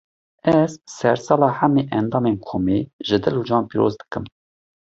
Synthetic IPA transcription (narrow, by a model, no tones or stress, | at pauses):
ɛz̥sɛɾsɑːlɑːhameːʔɛnd̪ɑːmeːnkʰoːmeʒɨd̪ɨlud͡ʒɑːnpiːɾo̰zd̪ɨ̥kɨm